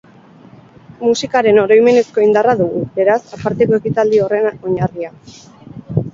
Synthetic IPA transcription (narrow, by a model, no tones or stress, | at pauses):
musikaɾe̞no̞ɾo̞jme̞ne̞sko̞ind̪araðuɣ̞ube̞ɾasapaɾt̪e̞ko̞e̞kit̪ald̪io̞re̞nao̞ɲaria